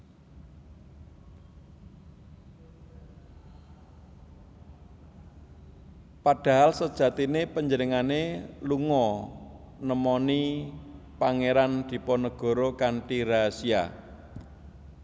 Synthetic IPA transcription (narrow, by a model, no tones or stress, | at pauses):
paɖ̥a̤ɦalsəd̥ʒ̥ä̤t̪inepəɲd͡ʒənəŋaneluŋɔ | nəmɔni | paŋeɾand̪̥i̤pɔnəɡ̥ɔ̤ɾɔkaɳʈiɾasia̰